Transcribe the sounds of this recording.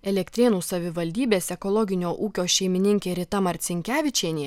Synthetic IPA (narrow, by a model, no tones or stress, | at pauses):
ɛlʲɛkt̪ʲɾʲeːnuːsɐʋʲɪʋɐlʲd̪ʲiːbʲeːsʲɛkɔlˠɔɡʲɪnʲoːʔuːkʲoːʃʲɛɪmʲɪnʲɪŋʲkʲeːɾʲɪt̪ɐmɐɾʲt̪sʲɪŋʲkʲæːʋʲɪt͡ʃʲeːnʲi